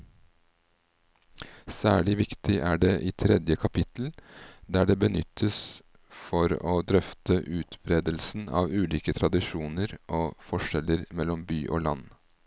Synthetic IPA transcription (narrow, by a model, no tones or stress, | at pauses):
sæːɭɪʋɪkt̪ʰɪʔæːɖeːʔiːt̪ʰɾɛd̪jəkʰɑpʰɪt̪l̩d̪æːɖeːbənʏt̪ʰːəs | fɔɾoːd̪ɾœft̪ʰəʔʉːt̪bɾeːd̪əlsn̩ɑ̰ːʋʉːliːkət̪ʰɾɑd̪ɪʃuːnəɾʔoːfɔʂɛləɾmɛlːɔmbyːʔo̰ːlɑ̰n